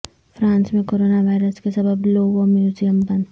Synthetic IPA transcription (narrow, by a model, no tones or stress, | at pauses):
fɾãːnsmẽkoːɾoːnaʋaːɪɾəskesɐbəbloːʋomjuːzijəmbɐn